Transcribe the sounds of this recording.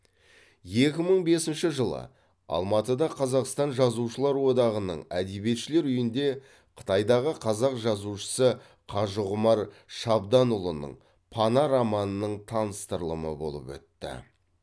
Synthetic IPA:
je̞kʲɪməɴbe̞sɪnʃɪʒəlˠə̰ | ɑ̰lˠmɑt̪əd̪ɑqʰɑzɑqst̪ɑnʒɑzuʃəlˠɑɾwo̞d̪ɑʁənə̰ɴæd̪e̞bije̞t̪ʃɪle̞ɾʏjɪnd̪e̞ | qʰə̥t̪ɑjd̪ɑʁəqʰɑzɑqʒɑzuʃə̥sə | qʰɑʒəʁʊmɑɾʃɑbd̪ɑnʊlˠənə̰ɴ | pʰɑnɑɾɑmɑnənəɴt̪ʰɑnəst̪əɾlˠəmə̰bo̞̰lˠə̰pwɵ̰t̪ːɪ̰

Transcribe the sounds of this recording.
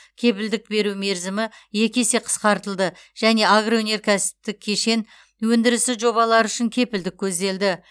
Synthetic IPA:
kʲʰe̞pɪld̪ɪk̚be̞ɾume̞ɾzɪmɪje̞kʲe̞se̞qʰə̥sqɑɾt̪əlˠd̪ə | ʒ̥æne̞aɡrowɵne̞ɾkʲʰæsɪ̥p̚t̪ɪk̚ʲʰːe̞ʃe̞n | wɵnd̪ɪɾɪsɪʒo̞βɑlˠɑɾʏʃɪŋkʲʰe̞pɪld̪ɪkʲːʰɵzd̪e̞ld̪ɪ

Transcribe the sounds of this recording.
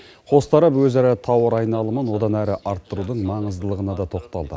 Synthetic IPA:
qʰo̞st̪ɑɾɑpwɵzæɾɪt̪ʰɑwəɾɑjnɑlˠəmənwo̞d̪ɑnæɾɪʔɑɾt̪ːəɾud̪əɴmɑɴəzd̪əlˠəʁənɑd̪ɑt̪ʰo̞qt̪ɑ̰lˠd̪ə̰

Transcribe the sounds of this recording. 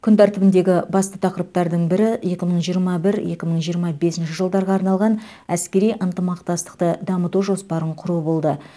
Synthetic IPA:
kʲʰʏnt̪ʰæɾt̪ɪbɪnd̪e̞ɡʲɪbɑst̪ət̪ʰɑqəɾəp̚t̪ɑɾd̪əɴbɪɾɪje̞kʲɪməɴʒijəɾmɑbɪɾje̞̰kʲɪməɴʒijəɾmɑbe̞sɪnʃɪʒəlˠd̪ɑɾʁɑːɑɾnɑlˠʁɑn | æskʲe̞ɾijʔənt̪əmɑqt̪ɑst̪ə̥qt̪əd̪ɑmət̪uʒo̞spɑɾəɴqʰʊɾubo̞lˠd̪ə

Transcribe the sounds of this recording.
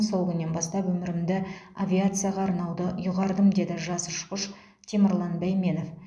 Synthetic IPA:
so̞lˠkʲʏnːe̞nbɑst̪ɑpwɵmɪɾɪmd̪ɪavʲiat̪sɨjaʁɑːɾnɑwd̪əjʊʁɑɾd̪əmd̪e̞d̪ɪʒɑsəʃqəʃ | t̪ʰemɪɾlˠɑnbæjme̞no̞f

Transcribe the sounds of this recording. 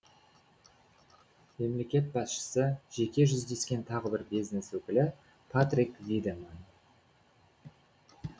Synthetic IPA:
me̞mle̞kʲe̞t̪̚bɑsʃə̥səʒe̞kʲe̞ʒʏzd̪e̞skʲe̞nt̪ʰɑʁəbɪɾbizneswɵkʲɪlɪ | pʰat̪rikvʲid̪eman

